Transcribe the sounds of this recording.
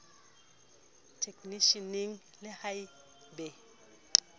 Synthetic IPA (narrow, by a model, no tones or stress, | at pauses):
tʰekniʃiniŋ | lehaj | be